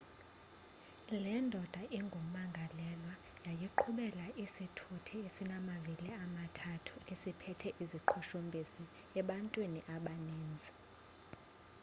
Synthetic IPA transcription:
lɛndʱɔd̥ʱaʔiŋɡʱum̩maŋɡʱalɛlwa | jajiǃʰuɓɛlaʔisitʰutʰiesinamaviliamatʰatʰu̥esipʰɛtʰɛʔiziǃʰuʃumbʱisi | ɛɓantʼwiniʔaɓaniːnd͡zʱi

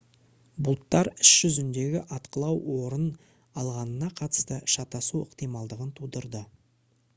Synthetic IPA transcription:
bʊlˠt̪ːɑɾɪsʒ̥ʏzɪnd̪e̞ɡʲɪʔɑt̪qəlˠɑwwo̞ɾən | ɑlˠʁɑnənɑqʰɑt̪ə̥st̪əʃɑt̪ɑsuə̰qt̪ijmɑlˠd̪əʁənt̪ʰud̪əɾd̪ə

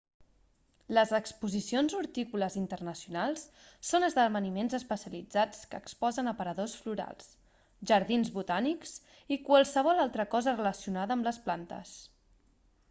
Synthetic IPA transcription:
ləzəkspuzisionzuɾt̪ikuləzint̪ərnəsjunalˠsː | onəzðəβənimenzəspəsiəlid͡zat͡skə̰kspɔzənəpəɾəðosfluɾa̰lˠs | ʒəɾðinzβut̪aniks | ikwalˠsəβ̞ɔlalˠt̪ɾəkɔzərələsiunaðəːmləsplant̪ə̰s

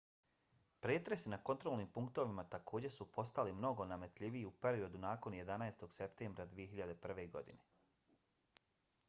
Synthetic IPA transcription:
pɾeːt̪ɾe̞sinako̞nt̪ɾolniːmpuŋkt̪o̞ʋimat̪akʰo̞ːd͡ʑe̞supo̞st̪alimno̞ɡo̞name̞t̪ʎʲiʋiiupe̞ɾio̞d̪unaːko̞nje̞d̪anaest̪o̞ɡ̥se̞pt̪eːmbɾad̪ʋije̞ɦiʎad̪e̞pr̩ʋe̞ɡo̞̰d̪ine

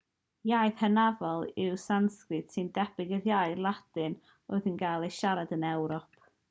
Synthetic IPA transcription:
jajðhənavɔlˠɪwsanskrɨd̥sɨndɛb̥ɪɡəðjajlˠad̥ɨn | oɨðənɡalˠejʃaɾadənɛwɾɔp̚ʰ

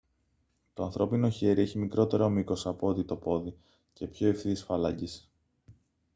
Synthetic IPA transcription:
t̪o̞ɐnθɾo̞pino̞çe̞ɾie̞çimikɾo̞t̪e̞ɾo̞miko̞sɐpoot̪it̪o̞po̞ði | ce̞pço̞ifθiisfɐlɐɟis

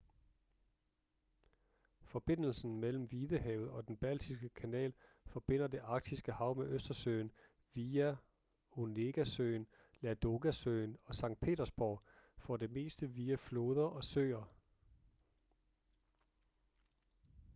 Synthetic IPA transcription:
fɒ̽b̥e̝n̰l̩sn̩mel̰m̩ʋiːðˠəɦɛːʊð̞̩ˠɒ̽d̥enb̥æl̰d̥ʰisɡ̥əkʰænɛ̰ːl | fɒ̽b̥e̝n̰ɐd̥e̝ʔɑ̈ɡ̥̚d̥isɡ̥əhɑ̈ʊ̰meʔøsd̥ɐsø̰ːn | ʋiæ | one̝ɡ̥æsø̰ːn | læd̥o̝ɡ̥æsøɪnɒ̽sɑ̈ŋ̰d̥̚pʰe̝̰ːdɐsb̥ɒʊ̰fɒ̽d̥e̝me̝̰ːsd̥əʋiːæflo̝ːð̞ˠɐʔɒ̽søːɐ

